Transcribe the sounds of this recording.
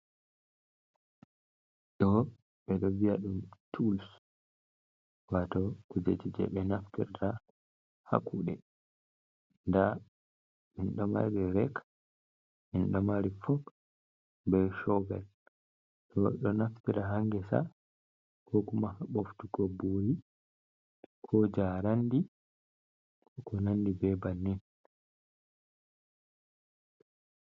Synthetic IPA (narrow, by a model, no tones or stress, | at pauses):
ɗɔ | ɓɛɗɔvijaɗumtʰuls | watɔkud͡ʒḛt͡ʃid͡ʒɛ̰ɓɛnaftḭɾta | ha̰kuɗɛ | nda | minɗɔma̰ɾɛɾɛk | minɗɔmaɾifɔk | bɛʃɔvɛ̰l | ɗɔɗɔnaftiɾaɦaŋɡɛsa̰ | kʰɔkumahaɓoftukɔboːji | kʰɔd͡ʒaːɾandi | kɔnandibɛbanːin